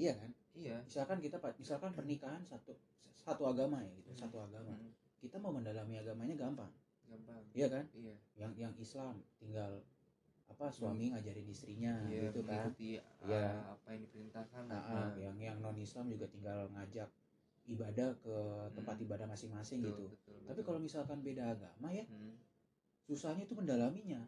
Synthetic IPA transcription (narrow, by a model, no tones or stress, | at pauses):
iakan | iamisalkankit̪apamisalkanpərnikaɦansat̪u | sat̪uaɡamajaɡit̪usat̪uaɡama | kit̪amauməndalamiaɡamaɲaɡampa̰ŋ | ɡapaŋijakanjaŋjaŋislamt̪iŋɡal | apaswamiŋad͡ʒaɾɪnist̪ɾiɲaɡit̪ukanjaapajaŋdipəɾint̪ahkanaʔajaŋjaŋnɔnislamd͡ʒuɡat̪iŋɡalŋad͡ʒak̚ | ibadahkət̪əmpat̪ibadahmasɪŋmasɪŋɡit̪ut̪apikalomisalkanbedaːɡa̰maja | susahɲait̪uməndalamiɲa